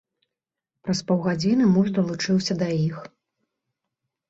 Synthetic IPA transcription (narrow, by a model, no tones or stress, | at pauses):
pɾɐspɔwɣad͡zʲinɨmuʐd̪ɐlˠut͡ʂɨwsʲɐd̪ɐjix